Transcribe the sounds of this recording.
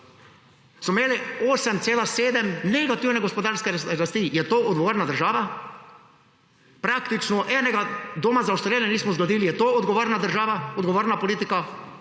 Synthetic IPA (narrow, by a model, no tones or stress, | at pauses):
smɔmeːlioːsɛmt̪seːlaseːd̪ɛmnɛɡat̪iwnɛɡospod̪aːɾskɛɾast̪ijɛt̪oːʔɔd̪ɡoʋoːɾnad̪əɾʒaːʋa | pɾakt̪it͡ʃnɔʔɛnɛɡad̪omazaust̪ɾjelɛniːsmɔzɡod̪iːlijɛt̪oːod̪ɡoʋoːɾnad̪əɾʒaːʋaod̪ɡoʋoːɾnapoliːt̪ika